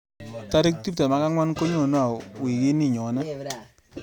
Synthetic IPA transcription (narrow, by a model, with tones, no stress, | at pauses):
ta˦ɾɪ˦k̚ti˦p̚ta˨ma˨˦ka˦ŋwa˦nko˦ɲo˨no˦a˨wi˨ki˦ni˦˨ɲɔ˨na˦